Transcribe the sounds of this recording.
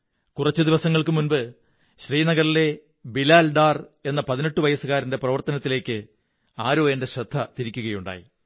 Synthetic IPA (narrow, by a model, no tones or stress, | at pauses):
kurɐt͡ɕːɨd̪iʋɐsɐŋːɐɭkɨmunbɨ | ɕriːnɐɣɐrile̞ | bilaːlɖaːre̞nːɐpɐðine̞ʈːuʋɐjɐsɨɣaːɾinde̞prɐʋɐrt̪ɐnɐt̪ːile̞ːkʲːɨ | aːɾo̞ːjɐnde̞ɕrɐd̪ʱːɐt̪iɾikʲːuɣɐjuɳɖa̰ːjḭ